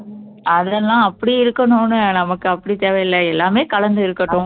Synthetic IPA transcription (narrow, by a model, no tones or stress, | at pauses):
ʔɐðɛlːãːɐpːɐɽiɪɾɯkːɐnʊ̃nɯnɐmɐkːɯɐpːɐɽit̪eːʋɐjɪlːɐɛlːaːmeːkɐlɐnd̪ɯɪɾɯkːɐʈːʊ̃